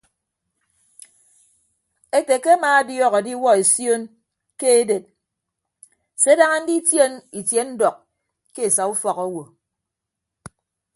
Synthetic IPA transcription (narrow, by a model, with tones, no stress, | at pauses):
e˦te˨ke˦a˦maː˨a˦djɔː˦ɣɔ˨di˦wɔ˦e˨sjo˦n | ke˦e˦de˨t̚ | se˦da˦ŋa˦n̩˦di˦tje˦ni˨tje˦n̩˦dɔ˨k̚ | ke˦e˨sa˨u˦fɔ˨kɔ˦wo˨